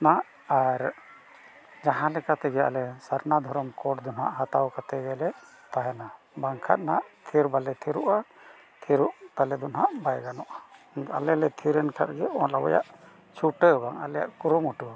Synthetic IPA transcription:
naʔ | aɾ | d͡ʒaɦãlɛkat̪ɛɡɛa̰lɛsaɾnad̪ʱɔɾɔmkɔʈd̪ɔnha̰ʔɦat̪awkat̪ɛɡɛlɛ | t̪aɦɛna | baŋkʰa̰t̪̚naʔt̪ʰiɾbalɛt̪ʰiɾuʔa | t̪ʰiɾuʔt̪alɛd̪ɔnɦaʔbajɡanɔʔa | a̰lɛlɛt̪ʰiɾɛnkʰa̰ɾɡɛɔlabɔ̰ja̰ʔ | t͡ʃʰuʈəbaŋa̰lɛja̰ʔkuɾumuʈu

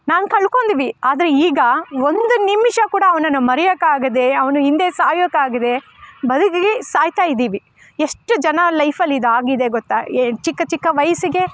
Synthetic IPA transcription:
naːnkɐɭkoːnd̪iːʋiaːd̪ɐɾe̞iːɡɐond̪unimːʃɐkuːɽɐːʋɐnɐnːumɐɾɛjɐkːaːɡɐd̪e̞ɐʋɐnuind̪e̞ːsaːjokːaːɡid̪e̞ | bɐd̪ukiɡesaːjt̪aːjid̪iːʋi | eʂʈːud͡ʒɐnɐlɐjpʰɐlːid̪aːɡid̪e̞ɡɔt̪ːaet͡ʃikːɐt͡ʃikːɐʋɐjɐsiɡe̞

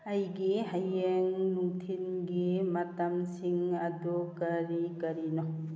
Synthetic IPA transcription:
ajɡiɦajeŋnuŋtʰinɡimatamsiŋadukaɾikɐɾinɔ

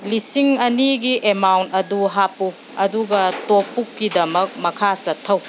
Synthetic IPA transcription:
lisiŋɐniɡiʔemawntɐduɦapu | ɐduɡɐtok̚pːukːidɐmɐk̚mɐkʰasɐtʰːɐw

